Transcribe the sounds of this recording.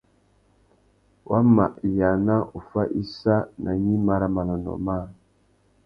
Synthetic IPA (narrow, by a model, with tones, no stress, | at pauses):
wʔa˦ma̰˨ʔja˨na˦u˨fa˦ʔi˦sa˦na˨ɲi˦ma˨ɾa˦ma˨la˨nɔ̰˨ma˦˨